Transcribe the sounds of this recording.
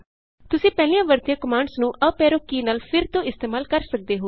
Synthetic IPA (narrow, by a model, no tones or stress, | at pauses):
t̪ʊsĩːpɛːlĩãːʋəɾt̪ijãːkəmaːɳɖsnũːʔəpɛːɾoːkiːnaːlpʰɪɾt̪õːɪst̪eːmaːlkəɾsək̚d̪eːɦoː